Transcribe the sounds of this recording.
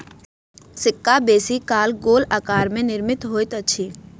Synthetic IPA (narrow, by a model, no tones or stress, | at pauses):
sɪkːabeːsikaːlɡoːlaːkaːɾmẽnɪɾmɪt̪ɦoːjt̪əːʃʰiː